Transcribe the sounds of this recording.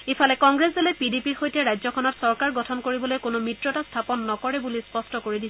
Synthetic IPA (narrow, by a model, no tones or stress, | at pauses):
ipʰalɛkɔŋɡɹesdelɛpidipiɹxojtɛɹajzɔkʰɔnɔtsɔɹkaɹɡɔtʰɔnkoɹibɔlojkonʊmɹitɹɔtastʰapɔnːɔkɔɹɛbulispɔstɔkoɹidis